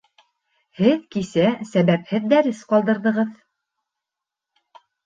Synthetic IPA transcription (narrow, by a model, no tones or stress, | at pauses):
hɘðkisæsæβæphɘðd̪æɾɘsqɑlˠd̪ɤ̆ɾðɤ̆ʁɤð